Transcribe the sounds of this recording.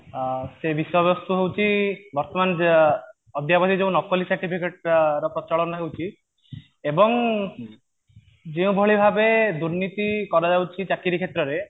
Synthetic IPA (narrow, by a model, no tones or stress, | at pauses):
sebisɔbjɔst̪uɦewt͡ʃʰibɔɾt̪ɔman | ɔd̪ʱjabɔt̪id͡ʒeũnɔkɔlisaɾʈipʰikeʈ̚ɾɔpɾɔt͡ʃɔɭɔnɔɦewt͡ʃʰi | ebɔŋ | d͡ʒeũbʱɔɭibʱabed̪uɾnit̪ikɔɾɔd͡ʒawt͡ʃʰit͡ʃakiɾikʰet̪ɾɔɾe